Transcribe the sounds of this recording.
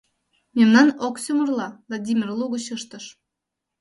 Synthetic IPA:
mʲemnɑnoksʲumərlˠɑlˠɑd̪ʲimʲirlˠuɣə̆ɕɯʃt̪ə̆ʃ

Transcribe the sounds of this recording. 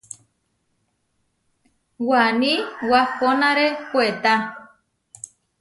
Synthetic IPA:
wanĩwahonãɾepoet̪a

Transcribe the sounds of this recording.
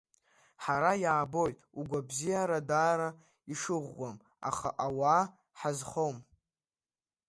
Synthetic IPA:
ħaɾajaːbo̞jtʼ | uɡʷabzijaɾadaːɾa | iʂɨʁʷːam | a̰χa̰ʔawaː | ħazχowm

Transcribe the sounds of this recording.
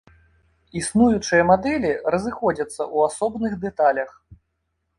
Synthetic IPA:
isnujut͡ʂɨjɐmad̪ɛlʲirɐzɨxɔd͡zʲɐt̪sːɐʔuasɔbnɨxd̪ɛt̪alʲɐx

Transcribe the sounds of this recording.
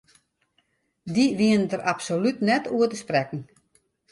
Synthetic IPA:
diʋiənədəɾʔapsolytnɛtuətəsprɛkn̩

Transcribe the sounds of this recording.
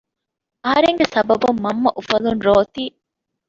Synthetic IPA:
ɐɦɐɾeŋɡesɐbɐbumːɐmːɐʔufɐlunɾoːt̪iː

